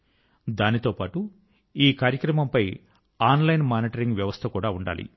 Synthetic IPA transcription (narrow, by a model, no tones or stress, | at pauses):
d̪aːnit̪o̞ːpaːʈu | iːkaːɾjɐkɾɐmɐmpɐj | aːnlɐjnmaːniʈɐɾiŋɡʋjɐʋɐst̪ʰɐkuːɽaːuɳɖa̰ːlḭ